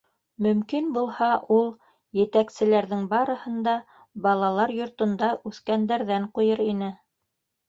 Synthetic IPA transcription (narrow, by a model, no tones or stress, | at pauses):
mɵ̆mkinbulˠhɑʔulˠ | jɘ̆t̪æksɘ̆læɾðɘŋbɑɾɤ̆hɤ̆nd̪ɑ | bɑlˠɑlˠɑɾjŏɾt̪ŏnd̪ɑʔʉθkænd̪æɾðæɴqujɤɾinɘ